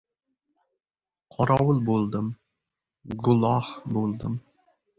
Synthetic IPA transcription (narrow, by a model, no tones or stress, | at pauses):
qʰɒɾɒwʊlˠbolˠd̪ɪm | ɡʊlˠɑhbolˠd̪ɪm